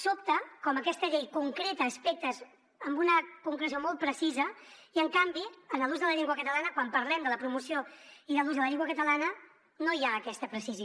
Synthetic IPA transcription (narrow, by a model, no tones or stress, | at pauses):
sop̚t̪əkɔməkɛst̪əʎejkuŋkɾet̪əːspek̚t̪əz | əmbunəkuŋkɾəsjomɔlˠt̪̚pɾəsizəiəŋkambiənəlˠuzðələʎiŋɡwəkət̪əlanəkwampəɾlɛmd̪ələpɾumusioiðəluzðələʎiŋɡwəkət̪əlanə | nojaːkɛst̪əpɾəsizi